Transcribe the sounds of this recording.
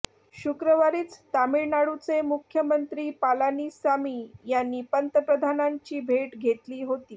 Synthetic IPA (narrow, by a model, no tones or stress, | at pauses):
ɕukɾəʋaɾiːt͡st̪amiɾnaɽut͡semukʰjəmənt̪ɾiːpalaniːsamiːjanːiːpənt̪əpɾəd̪ʱanaɲt͡ɕiːbʱeʈɡʱet̪liːɦot̪iː